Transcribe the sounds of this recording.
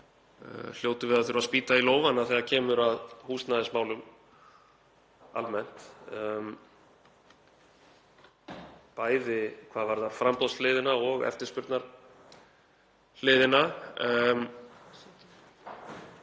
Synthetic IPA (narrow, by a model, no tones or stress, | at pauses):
l̥joːwt̪ʏvɪðaθʏɾʏvaðspiːt̪ailoːwvanaθɛɣacʰɛːmʏɾaðhuːst̪naðɪsmaːwlʏm | a̰lmɛn̥t̪m | paːjðɪkʰvaːðvaɾðafɾampɔwslɪːðɪnaɔɣɛ̰ft̪ɪɾ̥spʏɾt̪naɾ̥ | lɪːðɪna | m